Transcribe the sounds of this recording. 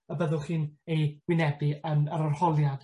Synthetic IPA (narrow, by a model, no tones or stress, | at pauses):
əbəðʊlˠχiːnejwɪnɛbɪənəɾɔrhɔlˠjad̥